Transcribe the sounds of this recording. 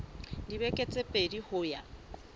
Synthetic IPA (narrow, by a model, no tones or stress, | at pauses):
dibɛkʼet͡sʼepʼedihʊja